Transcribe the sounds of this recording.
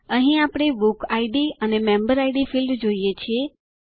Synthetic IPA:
əɦĩapɽ̃ebukaiɖiənemẽmbəɾaiɖifildd͡ʒoijet͡ʃʰie

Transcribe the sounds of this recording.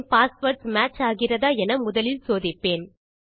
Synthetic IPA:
paːspɐɾʈsmaːt͡ʃaːɣɪrɐðaːɛnɐmʊðɐlɪlsoːðɪpːeːn

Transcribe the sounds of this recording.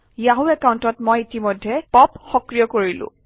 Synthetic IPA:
ijaɦuɛkawntɔtmɔjitimɔjdʱːɛpɔpxɔkɹijɔkoɹilʊ̰̃

